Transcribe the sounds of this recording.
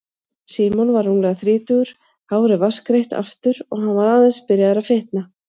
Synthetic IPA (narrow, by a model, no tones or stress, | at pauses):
siːmɔnvaɾːunlɛːɣaθɾiːt̪ʏɣʏɾ̥ | hawɾɪvaskɾejht̪a̰ft̪ʏɾɔɣɦanvaɾaːðanspɪɾjaðɾafɪht̪na